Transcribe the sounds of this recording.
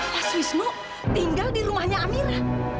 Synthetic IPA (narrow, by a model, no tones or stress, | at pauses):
aswisnʊʔ | t̪iŋɡaldiɾumahɲaamilah